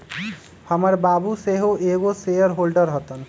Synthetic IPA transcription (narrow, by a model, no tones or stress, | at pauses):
hʌməɾbabuseɦoʔeɡosejəɾɦolɖəɾɦɔt̪ɔn